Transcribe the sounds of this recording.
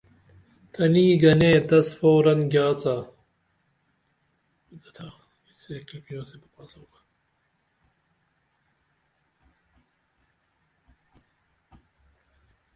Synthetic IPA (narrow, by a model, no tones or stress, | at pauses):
t̪ʰɐniːɡɐnẽːd̪ɐsfoːɾɐnɡjaːt͡saː | izɐt̪ʰa | iseːkɐpinõːsebɐpaːsoːɡa